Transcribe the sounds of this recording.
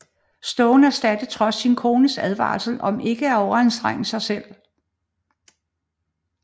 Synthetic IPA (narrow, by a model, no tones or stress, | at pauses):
sd̥ɔʊnæɐsd̥æd̥əð̩ˠt͡sʰʁɒ̽sːinkʰo̝ːnəsæð̞ˠʋɑ̰̈ːlsəl̩ʔɒ̽mʔe̝ɡ̥əæɐɒʊɐensd̥ʁaŋ̰̩sɑ̈ɪsel̰